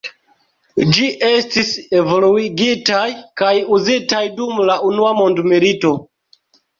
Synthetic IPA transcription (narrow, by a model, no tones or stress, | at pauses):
d͡ʒiʔe̞stise̞vo̞luiɡitajkajuzitajdumlaʔunuamo̞ndmiɾito̞